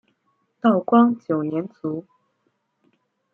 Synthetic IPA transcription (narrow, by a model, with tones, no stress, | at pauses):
t̪ɑ˥˩ʊkwɑ˥ŋt͡ɕjo˨˩ʊnjɛ˧˥nt͡su˧˥